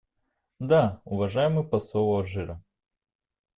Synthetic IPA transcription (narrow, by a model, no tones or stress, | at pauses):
d̪aʊvɐʐajɪmɨjpɐsovɔʐɨɾɐ